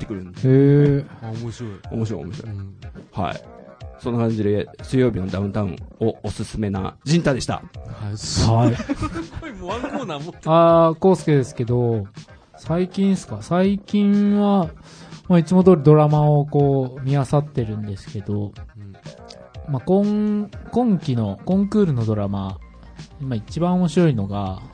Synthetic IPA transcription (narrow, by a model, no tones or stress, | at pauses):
t̪ːekɯɾɯ̃nee | omoɕiɾoio̰moɕiɾo̰omoɕiɾo̰ha̰ḭsõ̞nːakãɲ̟d͡ʑid̪esɨjo̞ːbʲino̞d̪aɯ̟̃nt̪aɯ̰̃oosɨsɨme̞na̰d͡ʑĩnt̪ad̪e̞ɕi̥t̪a̰aai | moãŋkonamoako̞ːsɨ̥ked̪e̞sɨ̥ke̞d̪o̞ | saikʲĩnsɨ̥kasaikʲĩɰ̃βa | mait͡simo̞d̪oːɾɯ̟d̪o̞ɾamaoko̞ːmʲiasat̪ːe̞ɾɯ̟̃nd̪e̞sɨ̥ke̞d̪o̞ | makõŋkõ̞ŋkʲino̞kõ̞ŋkɯ̟ːɾɯ̟no̞d̪o̞ɾama | imait͡ɕibãɰ̃o̞mo̞ɕiɾo̞ino̞ɡa